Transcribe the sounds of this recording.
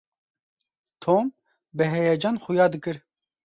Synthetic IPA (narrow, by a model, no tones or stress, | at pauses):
t̪ʰoːm | bɨɦɛjɛd͡ʒaːnxujɑːd̪ɨkɨɾ